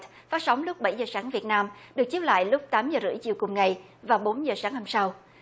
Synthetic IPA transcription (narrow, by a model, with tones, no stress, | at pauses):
t̚ | faː˦˥t̚sa˨˦wŋ͡mlʊ˦˥k͡p̚ɓa˧˩jzəː˨˩saː˨˦ŋvi˨˩ət̚naː˧mɗɨ˨˩ək̚t͡ɕi˨˦˥p̚la̰ː˧˨jlʊ˦˥k͡p̚t̪aː˨˦mzəː˨˩zɨ̰˧˩əjt͡ɕḭ˧˨əwkʊ˨˩ŋ͡mŋa˨˩j | vaː˨˩wɓo˨˦nzəː˨˩saː˨˦ŋha˧msa˧w